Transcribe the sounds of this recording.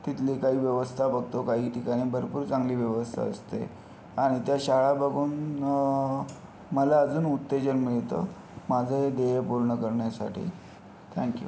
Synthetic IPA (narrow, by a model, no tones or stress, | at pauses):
t̪it̪likaɦiːʋjəʋəst̪ʰabəɡ̚ʱt̪okaɦiːʈikaɽ̃iːbʱəɾpuːɾt͡sãŋɡliːʋjəʋəst̪ʰa̰əst̪ḛ | aɽ̃it̪jaɕaɭabəɡʱuːn | məlaəd͡zuːnut̪ːed͡ʑənmiɭt̪o̰ | mad͡zʱed̪ejepuɾɳəkəɾɳjasa̰ʈʰḭː | t̪ʰɛ̃ŋkjṵ